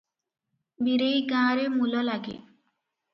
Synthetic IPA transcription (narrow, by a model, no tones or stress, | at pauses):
biɾejɡãːɾemulɔlaɡḛ